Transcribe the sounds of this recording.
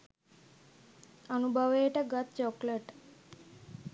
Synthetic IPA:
ənubʱəʋeʈeɡət̪̚t͡ɕɔkleʈ

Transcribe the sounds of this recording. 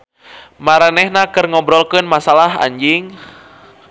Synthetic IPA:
maɾanɛhnakɨrŋɔbɾɔlkɨnmasalaɦa̰ɲd͡ʒiŋ

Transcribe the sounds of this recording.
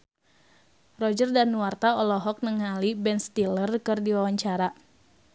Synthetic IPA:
rɔd͡ʒərdanuwart̪aɔlɔɦɔk̚nəŋalibɛnst̪ilərkɨrdiwawaɲt͡ʃaɾa

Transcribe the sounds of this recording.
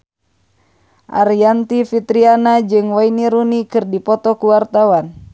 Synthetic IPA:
ʔa̰ɾiant̪ifit̪ɾianad͡ʒɨŋwainiɾunikɨrdipɔt̪ɔkuwart̪awan

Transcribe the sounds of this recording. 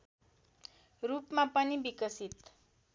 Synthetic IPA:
rupmapʌnibikʌsit̪

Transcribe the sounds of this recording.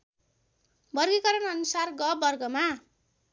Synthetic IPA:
bʌrɡikʌɾʌnʌnusarɡʌbʌrɡʌma

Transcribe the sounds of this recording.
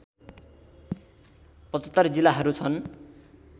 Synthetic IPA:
pʌt͡sʌ̥t̪ːʌrd͡zilːaɦʌɾut͡sʰʌn

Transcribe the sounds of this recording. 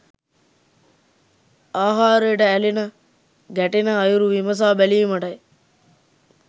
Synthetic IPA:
aːɦaːɾəjəʈəælinə | ɡæʈinəːjuɾuʋiməs̬aːbæliməʈɐj

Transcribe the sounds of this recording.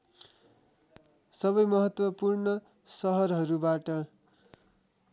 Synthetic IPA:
sʌβʌjmʌɦʌt̪wʌpurnʌ | sʌɦʌrɦʌɾubaʈʌ

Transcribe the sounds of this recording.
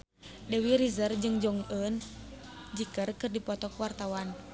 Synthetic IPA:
dɛwiɾizərd͡ʒɨŋd͡ʒɔŋən | d͡ʒikərkɨrdipɔt̪ɔkuwart̪awan

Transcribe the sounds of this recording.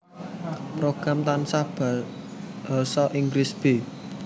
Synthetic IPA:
pɾoɡ̥ɾamt̪ansab̥ḁ | asɔʔiŋɡɾisb̥e

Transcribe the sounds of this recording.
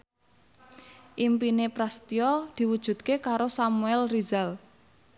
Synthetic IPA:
ʔimpinepɾast̪iɔd̪̥i̤wud̥ʒ̥ṳt̪̚kekaɾosamuɛlrizal

